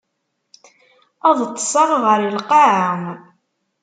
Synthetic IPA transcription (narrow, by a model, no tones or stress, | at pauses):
ɑðˤt̪ˤːsˤɑɾˤʁəɾəlqɑʕəm